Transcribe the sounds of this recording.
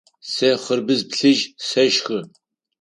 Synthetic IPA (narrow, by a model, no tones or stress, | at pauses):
sɐχərbɨzpɬɨʒsɐʒxɨ